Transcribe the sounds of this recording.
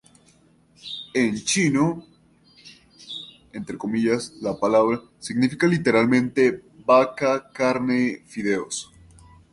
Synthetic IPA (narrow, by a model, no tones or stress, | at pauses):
ent͡ʃino | ent̪ɾe̞ko̞miʝaslapalaβɾa | siɡnifikalit̪eɾalmẽnt̪e̞bakakaɾnefiðe̞os